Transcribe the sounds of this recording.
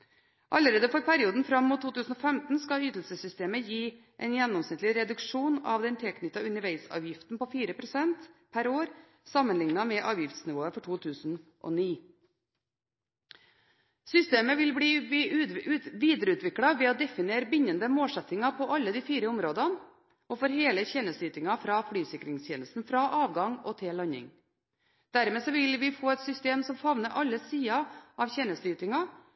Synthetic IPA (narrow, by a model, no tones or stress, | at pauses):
ʔɑləɾeːd̪əfɔɾpʰæɾɪuːd̪n̩fɾɑmːuːt̪ʰːuːt̪ʰʉːsn̩ɔfɛmt̪n̩skɑyːt̪l̩səsʏst̪eːməjiː | ʔɛnjɛnːɔmsnɪt̪lɪɾɛd̪ʉkʂuːnɑ̰ʋd̪ɛnt̪ʰɛlkʰnʏt̪ːɑʉnəɾʋæɪsɑ̰ːʋjɪft̪n̩pɔfiːɾəpʰɾʊsɛnt̪pʰæɾoːɾ | sɑmːənlɪŋnɑmɛʔɑːʋjɪft̪snɪʋoːəfɔʈʰuːt̪ʰʉːsn̩ʔɔ̰niː | sʏst̪eːməʋɪlbɽiː | ʉʋiːd̪ɾəʉːt̪ʰʋɪkɽɑʋɛːoːd̪ɛfɪneːɾəbʏɲːənd̪əmoːlsɛt̪ɪŋɑpʰɔʔɑlːəd̪iːfiːɾəʊmɾoːd̪ɑn | ɔfɔɾheːləçɛːnəslyːt̪ɪŋɑfɾɑːfɽyːsɪkɾɪŋst̪ʰjeːnəst̪n̩fɾɑːʔɑːʋɡɑŋɔt̪ʰɪlɑɲɪ̰ŋ | d̪̥æɾmeːsɔʋɪlʋɪfoːɛt̪sʏst̪eːmsɔmfɑʋnəʔɑlːəsiːɑʔɑʋçeːnəslyːt̪ɪŋɑ